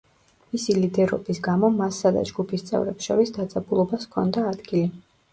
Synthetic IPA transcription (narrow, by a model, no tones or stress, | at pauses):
misilid̪ɛɾɔ̰bisɡamɔmasːad̪a̰d͡ʒɡupʰist̪sʼɛ̰vɾɛpsʃɔɾisd̪adt̪zʼɛbulˠɔbaskʰɔ̰nd̪aːd̪ɡili